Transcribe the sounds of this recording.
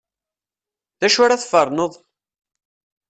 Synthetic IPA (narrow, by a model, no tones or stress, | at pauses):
ðæʃʊɾaθfəɾˤnəðˤ